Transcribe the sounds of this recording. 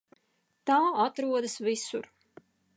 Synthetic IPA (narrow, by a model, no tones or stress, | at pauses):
t̪aːat̪ɾuɔd̪asvisuɾ